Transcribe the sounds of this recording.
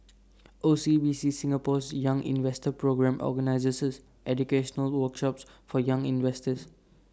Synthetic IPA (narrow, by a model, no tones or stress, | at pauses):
ʔosibisisĩŋəpɔsjãŋʔḭ̃nvɛstəpɹoɡɹɛ̃mʔɔ̰ɡənaɪzəsəs | ʔɛd͡ʒukeʃənəlwəkʃɔpsfɔjãŋĩnvɛstəs